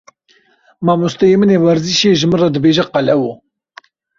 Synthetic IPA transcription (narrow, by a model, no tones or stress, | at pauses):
maːmust̪ɛjemɨnewɛɾziʃeʒɨmɨrɑd̪ɨbeːʒɛqɑlɛwo